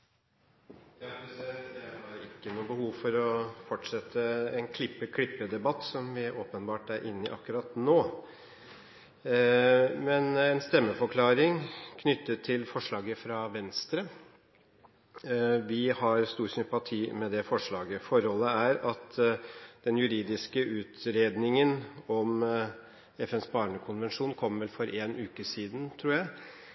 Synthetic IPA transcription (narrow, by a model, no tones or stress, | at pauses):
jɑd̪ɛhɑɾɪkːənuːbəhuːʋfɔɾɔfɔʈʂɛt̪ʰːəɛnkʰlɪpːəkʰɽɪpːəd̪ɛbɑt̪ːsɔmʋɪʔoːpənbɑːʈæɾʔɪnːɪʔɑ̰kːʉɾɑt̪noː | mɛnɛnst̪ɛmːəfɔɾkʰlɑːɾɪŋkʰnʏt̪ːət̪ʰːɪlfɔʂɭɑːɡəfɾɑʋɛnst̪ɾə | ʋɪhɑɾst̪uːɾsʏmpɑt̪ʰiːmɛd̪ɛfɔʂɭɑːɡəfɔɾhɔlːəæɾɑt̪ | d̪̥ɛnjʉɾiːd̪ɪskəʉːt̪ɾeːd̪nɪŋənɔm | ɛfɛnsbɑːɳəkʰʊnʋɛnʂuːnkʰɔmʋɛlfɔɾʔeːnʔʉːkəsiːd̪n̩t̪ʰɾuːjæɪ